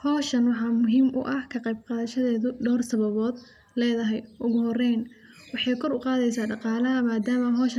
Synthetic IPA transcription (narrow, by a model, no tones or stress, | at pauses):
hɔːʃɐnwɑħɑːmʊɦiːmʔʊ̰ʔɐhkʰɐqɛjb̚qɑːðɐʃɐðɛːðʊɖɔːrsɐβɐβɔːd̪ | lɛːðɐɦɛjʔʊɣʊɦɔrɛjn | wɑħɑjkʰɔrʊqɑːðɛjsaːɖɑqɑːlɐɦɐmaːd̪aːmɐɦɔːʃ